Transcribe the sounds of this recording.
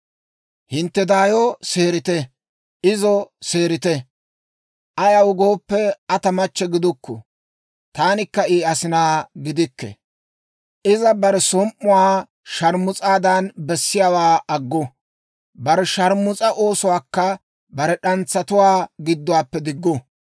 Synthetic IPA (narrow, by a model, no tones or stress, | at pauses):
hɪnt̪ːɛd̪aːjɔse̞ːɾɪt̪ɛ | ʔɪzɔse̞ːɾɪt̪ɛ | ʔɐjɐwʊɡo̞ːpːɛɐt̪ɐmɐt͡ʃːɛɡɪd̪ʊkʰːɔ̰ | t̪aːnɪkːɐiːɐsɪnaːɡɪd̪ɪkːɛ̰ | ʔɪzɐbɐɾɛsɔmʔːʊwaː | ʃɐɾmʊt͡sʼaːd̪ɐnbɛsːɪjaːwaːʔɐɡːɔ | bɐɾɛʃɐɾmʊt͡sʼɐʔo̞ːsʊwaːkːɐ | bɐɾɛɗɐnt͡sːɐt̪ʊwaːɡɪd̪ːʊwaːpːɛd̪ɪɡːɔ